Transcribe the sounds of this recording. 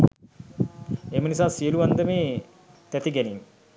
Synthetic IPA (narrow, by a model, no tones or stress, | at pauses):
eːmənisaːsijəluʋand̪əmeː | t̪ɛt̪iɡɛniŋ